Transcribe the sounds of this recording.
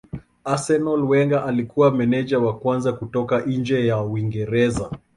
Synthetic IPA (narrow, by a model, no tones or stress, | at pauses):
asɛnɔlwɛŋɡaʔalikuwamɛnɛd͡ʒawakwanzakutɔkaʔn̩nd͡ʒɛjawiŋɡɛɾɛza